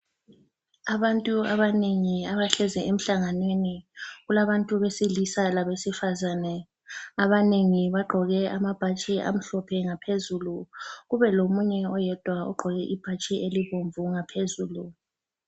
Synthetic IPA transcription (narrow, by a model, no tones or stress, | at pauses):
aβantʼuaβaneŋiaβaɬɛzɛʔem̩ɬaŋanweniɣulaβantʼuβesilisalaβesifazanɛ | aβaneŋiβaɡ͡ǃʱɔɣɛamab̥ʱat͡ʃʼiʔa̰m̩ɬɔpʰɛŋapʰezuluɣuβɛlomuɲɛɔjɛd̥ʱwaɔ̰ɡ͡ǃʱɔɣɛʔib̥ʱat͡ʃʼieliβoɱvuŋapʰezuːlu